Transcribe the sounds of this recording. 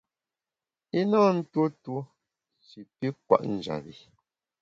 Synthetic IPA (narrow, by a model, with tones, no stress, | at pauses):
i˦nɔː˦n̩˦two˦tu˦ | si˨pi˦k̚wa̰˦˨ʔn̩˨d͡ʒa̰˨bi˨